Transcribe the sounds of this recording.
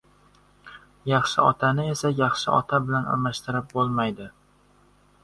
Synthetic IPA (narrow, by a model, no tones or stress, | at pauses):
jɑχʃɪɒ̰t̪ʰanɪe̞sajɑχʃɪɒ̰t̪ʰabɪlana̰ɾmaʃt̪ɪɾɪp̚bolˠmajd̪ɪ